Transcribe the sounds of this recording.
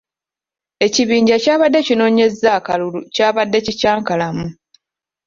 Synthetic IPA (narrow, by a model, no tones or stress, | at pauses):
e̞ciβiːɲɟacaːβadːe̞cino̞ːɲe̞zakalulucaːβadːe̞cicaːŋkalamu